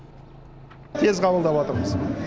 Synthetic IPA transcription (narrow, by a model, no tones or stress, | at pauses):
t̪ʰe̞zqʰɑbəlˠd̪ɑpwɑt̪əɾməz̥